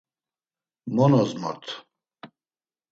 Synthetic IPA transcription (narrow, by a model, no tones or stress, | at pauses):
mɔnɔzmɔ̰ɾt̪ʰ